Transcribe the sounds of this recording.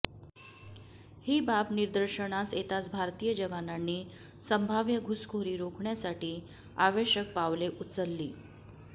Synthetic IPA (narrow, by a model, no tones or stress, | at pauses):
hiːbapniɾd̪əɾɕəɳaset̪at͡sbʱaɾt̪iːjəd͡ʑəʋananːiː | səmbʱaʋjəɡʱuskʰoɾiːɾokʰɳjasaʈiː | aʋeɕək̚paʋleʔut͡səlːiː